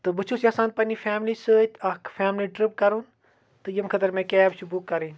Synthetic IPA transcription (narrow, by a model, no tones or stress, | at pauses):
t̪ɨbɨt͡ʃʰusasãːn̚pɐnifʰɛːmlisɨt̪ʲɐkfʰaːmliʈɾɪp̚kɐɾun | t̪ɨjɐmkʰɐt̪ɐɾmẽkɛːbʃubukkːɐɾiːn